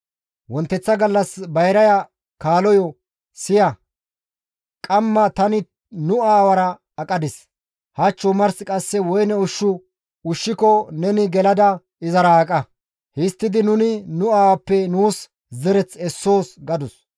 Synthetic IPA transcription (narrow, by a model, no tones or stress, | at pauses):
wɔnt̪ːɛt͡sːɐɡɐlːɐsbɐjɾɐjɐ | kaːlɔjɔ | sɪjɐ | kʼɐmːɐt̪ɐnɪ | nʊaːwɐɾɐː | kʼɐd̪ɪs | hɐt͡ʃːʊmɐɾskʼɐsːɛwɔjnɛʊʃːʊ | ʊʃːɪkɔnɛnɪɡɛlɐd̪ɐ | ɪzɐɾɐːkʼɐ | hɪst̪ːɪd̪ɪnʊnɪnʊaːwɐpːɛnuːs | zɛɾɛt͡sɛsːo̞ːsɡɐd̪ʊs